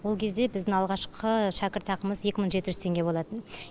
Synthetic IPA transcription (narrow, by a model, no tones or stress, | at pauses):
wo̞lˠkʲʰe̞zd̪e̞bɪzd̪ɪŋɑlˠʁɑʃqʰəʃækʲɪɾt̪ɑqəməzje̞kʲɪməɴʒe̞t̪ɪʒʏzt̪ʰe̞ŋɡʲe̞bolˠɑt̪ən